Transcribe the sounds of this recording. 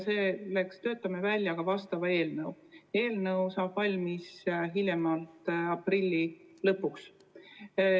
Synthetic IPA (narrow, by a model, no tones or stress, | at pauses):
se̞ːle̞kst̪ø̞ːt̪ːˑɑmevælʲːjɑɡ̥ɑvɑst̪ɑvɑe̞ːlnɤw | e̞ːlnɤwsɑːb̥vɑlʲmisɦilʲjemɑlt̪ɑprilʲːilɤpːˑuks